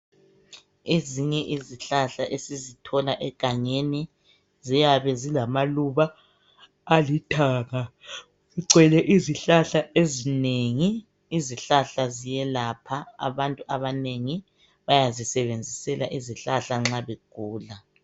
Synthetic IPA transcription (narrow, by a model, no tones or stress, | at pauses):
eziɲɛʔiziɬaɬaʔesizitʰɔlaʔɛɡ̥ʱaŋeni | zijaβɛzilamaluβaː | litʰaːŋa | iǀwɛlɛʔiziɬaɬaʔezineŋiː | ziɬaɬazijɛlaːpʰaa̰βantʼuʔaβaneŋi | βajazisɛβend͡zʱisɛla̰ʔiziɬaɬaŋ͡ǁaβeɡ̥ʱuːla